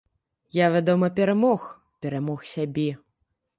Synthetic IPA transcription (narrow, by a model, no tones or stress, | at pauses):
javʲad̪ɔmɐpʲɛɾamɔx | pʲɛɾamɔxsʲabʲɛ